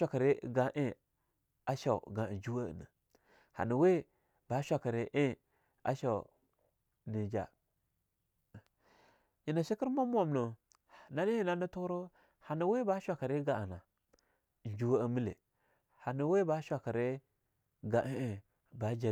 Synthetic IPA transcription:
a˨ka˨ɾe˦ɡa˨ʔe˦ | a˦ʃa˨ṵ˨ɡa˨d͡ʒu˦wa̰˦˨na˨ | ha̰˨nu˨we˦ | ba˦ʃʷa˨ka˨ɾe˨ʔe˦ | a̰˦ʃa˨ | ni˨d͡ʒa̰˨ | ji˨na˨ʃi˦ki˦ɾmo˦m˦a˦˨mno˨ | na˦ni˦ji˦˨na˦na˦tu˦ɾo˦ | ha˨na˨we˦ba˦ʃʷa˨ka˨ɾe˦ɡa˨a˨na˨ | n˨d͡ʒu˦wa˦a˨mi˦lḛ˨ | ha˨nu˨we˦ba˦ʃʷa˨ka˨ɾe˦ | ɡa˨ʔe˦e˦˨ | ba˨d͡ʒa˨

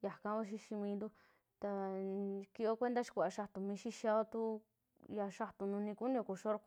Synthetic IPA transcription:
ja˨kã˦βa˦ʃ̬i˧ʃi˧mĩː˧nd̪u˦ | t̪a˧ | ki˧o˦kʷe˦nd̪a˦ʃi̥˧kʷa˨a˨˧ʃa˧t̪u˨mĩ˧ʃi˦ʃa˦˧o˦t̪u˦ | ja˧ʃa˧t̪u˨nũ˧nĩ˧ku˦nĩ˦˧o˧ku˨ʃo˦ɾk

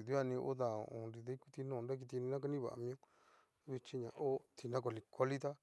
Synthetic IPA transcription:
ðu˦a˦˧nĩ˧ʔo̰˦ða˧˨o̰˨õ̰˨˧nɾi˧ðe˦ku˦˧t̪i˧nõː˦˨˧ɾa˦k̬i˧t̪i˧nĩ˧nã˦k̬a˦nĩ˦βa̰˨˧mĩ˧õ˦ | βi˧t͡ʃi˧ɲã˨ʔo˦t̪ʰi˧nã˦k̬o˧li˧kʰa˧li˦t̪a˦

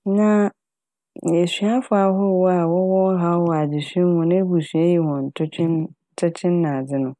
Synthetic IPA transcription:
nã˨˦˨ | e˨sɥa˦fʊ˨˦a˨ɦɔ˦˨wɔ˦a˨wɔ˦wɔ˦ɦa˦wɔ˨a˨d͡ʑɪ˨sɛ˦hʊ̃˨nɪ̃˦e˦bu˨sɥa˦ji˨hɔ̃˨n̩˨tʰʊ˦ɪ˦˨ | tʰʊ˦t͡ɕʰɪ̃˦nːã˨d͡zɪ˦nʊ̃˨

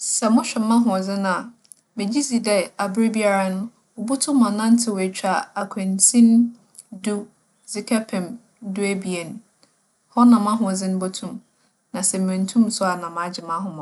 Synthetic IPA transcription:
sɛ˨mʊ̃˦ɕᶣɛ˨mã˦ɦʊ̃˨ɔ˨d͡zɪ˦nʊ̃˦˨a˨ | mɪ̃˨d͡ʑi˦zi˨dɛ˨a˨bʊ˦ɾɪ˦bi˦a˦ɾa˦nʊ̃˦ | o˨bu˦tʰʊ̃˦mã˨nã˦n̩˦tʰɪ˨we˨t͡ɕᶣʰa˨a˨kʷʰɛ̃˨ntʰĩ˦n | du˦ | z̥ɪ˨kʰɛ˦pʰɛ̃˨m | dʊ˦æ˦bi˨e˨ñ˨ | hɔ˦nã˨mã˦ɦʊ̃˨ɔ˨d͡zɪ˦nʊ̃˦bo˦tʰũ˦m | nã˨sɛ˨m̩˨ɛ̃˨n̩˨tʰũ˦msʊ˦a˨nã˨ma˨d͡ʑɪ˨mã˦ɦʊ̃˦mɔ̃˨

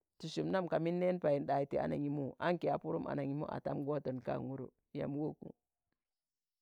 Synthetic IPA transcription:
tu˨su˨mna˦mka˨mi˦nːe˦npa˨ji˨nɗa˨i˨tḭ˨˦a̰˦na˨ŋi˨mu˦ʔa˦ŋke˨a˨pu˦ɾu˦mʔa̰˨na˨ŋi˨˦mu˦ʔa̰˨ta˦mɡo˦to˨nka̰˦˨ŋu˦ɾṵ˨ | ja̰˨m˦wo˦kṵ˨

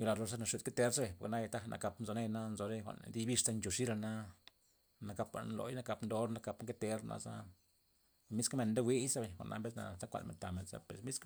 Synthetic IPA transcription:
ju˧la˧lo˧ɾs̬a˦na˧ʃu˧d̪̚ke˦t̪e˦ɾse˨po˨kna˦ja˧t̪a˦nʔa̰˨˧ka˧pnzo˧ne˦˧na˦nzo˧ɾe˦kʷa̰˨nd̪i˦bi˦˧ʂta˧nt͡ʃo˨ʂi˦ɾa˧na˧ | na˧ka˧pa̰˨nlo̰˨˦jna˧ka˧pnd̪o˧˦ɾna˧ka˧pŋke˦t̪e˧ɾnʔa̰˧za̰˦ | mi˦skme˧nd̪e˦wi˦jsa˦be˨kʷa̰˨ʔnːʔa̰˧˦mbe˦sna̰˧za˦kʷa̰˧lmḛ˨nt̪a˨me˨nsa̰˦pe˨smi˦sk

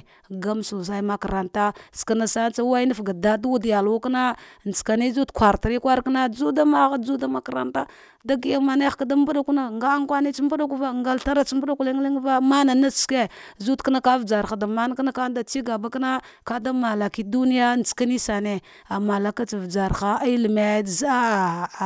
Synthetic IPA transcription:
ɡa˦msu˨sa˨˦i˦ma˨ka˨ɾa˨nta˦ska˨na˨sa˦n˦t͡sa˦wa˦i˦na˦fɡa˨da˦dwu˦dja˨lu˦kna˦˨n˨t͡ska˨ni˦zu˦tkʷa˨ɾta˨ɾi˦kʷa˦ɾkna˦d͡zu˦da˦ma˦ɣa˦d͡zu˦da˦ma˨ka˨ɾa̰˨nta˦ | da˦ɡi˦ja˦ma˨ne˦xḁ˨ka˦da˦mbu˦ɗa˦ku˦na˨ŋɡa˦ŋkʷa˦ne˦t͡ʃi˦mbu˦ɗa˦ku˦va˦ŋɡa˦lta˦ɾa˦t͡ʃmbu˦ɗa˦ku˦li˦ŋ˦li˦ŋ˦va˦ma˦na˨na˦t͡ʃske˦zu˦tka˦na˦ka˦vd͡ʒa˨ɾa˨da˨ma˦n˦kna˦ka˦da˨t͡ʃi˦ɡa˨ba˦kna˦ka˦da˦ma˨la˨ki˦du˦ni˦ja˦n˨t͡ska˦ni˦sa˨ne˨ | a˨ma˨la˨ka˦t͡si˨vd͡ʒa˨ɾxa˦i˦li˨me˨˦˨za˦˨

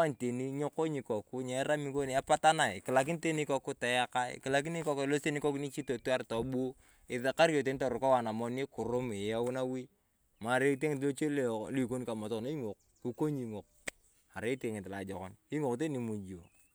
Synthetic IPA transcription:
a˦n˨te˨ni˦ɲo˦ko˦ɲi˨kɔ˨ku˦ɲɛ˨˦ɾa˦mi˦ko˦n˨a˦pa˦ta˦na˨ɪ˨kɪ˨la˨k̬ɪ˦n˦te˦ni˦kɔ˨ku˦ta˨ja˦ka˦ḭ˨kɪ˨la˨k̬i˦ni˦kɔ˦klo˦se˦ni˦ko˦kni˦t͡ʃi˦to˨tu˦a˦ɾtɔ˨bu˦o˦ | ɪ˨a˨ka˦ɾjo˨te˨ni˦tɔ˨ɾʊ˨kɔ˦wa˨na˨mɔ˨˦ni˦kʊ˨ɾʊ˦mɪ˨jɛ˦wʊ˦na˦wi˦ | ma˨ɾe˦t̬e˦ŋɪ˨tlo˦t͡ʃe˦lli˨ko˦ni˦ka˨ma˨to˦˨ne˦i˦ŋo˨k̚ | ku˨ko˦ɲi˨ŋo˨k̚ | a˨ɾe˨˦te˨ŋɪ˨tla˨d͡ʒɔ˨kɔ̰˦ni˦ŋo˨kt̬e˦ni˨mu˨d͡ʒo˨

